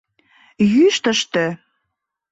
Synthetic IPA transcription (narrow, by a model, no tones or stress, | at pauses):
jyʃt̪ə̆ʃt̪ø̆